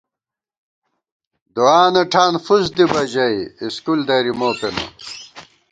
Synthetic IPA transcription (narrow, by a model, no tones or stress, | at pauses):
d̪uaːnɐʈʰaːnfusd̪ibɐd͡ʑɐiiskuld̪ɐɾimoːpenɐ̰